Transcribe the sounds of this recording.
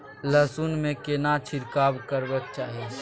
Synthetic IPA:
ləsunmẽkenat͡ʃʰɪɾkaːbkəɾbək̚t͡ʃaːɦie

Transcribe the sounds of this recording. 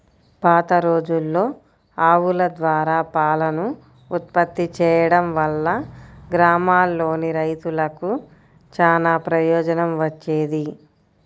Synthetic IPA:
paːt̪ɐɾoːd͡ʒulːo̞ː | aːʋulɐd̪ʋaːɾaːpaːlɐnu | ut̪̚pɐt̪ːit͡ʃɛːjɐɽɐmʋɐlːɐɡɾaːmaːlːo̞ːniɾɐjt̪ulɐku | t͡ʃaːnaːpɾɐjɔːd͡ʒɐnɐmʋɐt͡ʃːeːd̪i

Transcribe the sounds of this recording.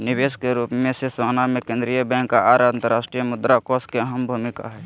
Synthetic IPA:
nɪʋeːskeɾuːpmẽsesoːnamẽkẽnd̪ɾijəbɛ̃ŋkːaaːɾant̪əɾaːʃʈɾijəmʊd̪ɾakoskeəɦəmbʱuːmɪka̰ɦɛː

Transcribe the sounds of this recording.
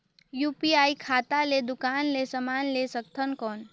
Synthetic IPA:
juːpiaːikʰaːt̪aled̪ʊkaːnlesəmaːnlesək̚t̪ʰənkɔːn

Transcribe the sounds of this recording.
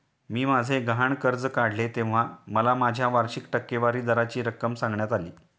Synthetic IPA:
miːmad͡zʱeɡaɳkəɾd͡zəkaɽ̤let̪ẽʋ̤aməlamad͡ʑʱjaʋaɾɕikʈəkːeʋaɾiːd̪əɾat͡ɕiːɾəkːəmsãŋɡɳjat̪aliː

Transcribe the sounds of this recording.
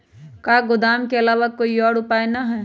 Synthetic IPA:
kaːɡʊd̪aːmkeɐlaːʋakoːiɔːɽʊpaːenɐɦɛː

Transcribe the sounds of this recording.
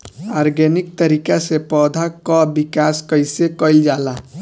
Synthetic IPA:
aɾɡenik̚t̪əɾikasepɔd̪ʱakɔbikaskəjsekəɪld͡ʒala

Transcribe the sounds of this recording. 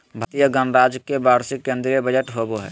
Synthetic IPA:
bʱət̪ijəɡənɾaːd͡ʒkːebaːɾsɪkːẽːnd̪ɾijəbəd͡ʒəʈɦoboɦɛ̰ː

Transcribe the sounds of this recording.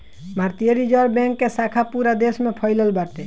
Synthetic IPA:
mʱaɾt̪ijəɾid͡ʒəɾbɛ̃ŋkːesakʰapuɾad̪esmẽpʰəɪləlbaɾt̪e

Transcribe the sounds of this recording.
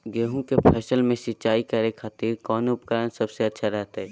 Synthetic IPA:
ɡeːɦũkepʰɛːsəlmẽsɪt͡ʃaːikəɾekʰaːt̪iːɾkɔːnʊpkəɾənsəbseɐtːʃʰaɾɛɦt̪ɦɛ

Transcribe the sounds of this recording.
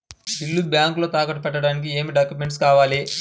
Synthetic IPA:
d̪ilːubjaːŋklo̞ːt̪aːkɐʈupɛʈːɐɽaːnik̬ie̞ːmiɖaːkjume̞ɳʈskaːʋaːleː

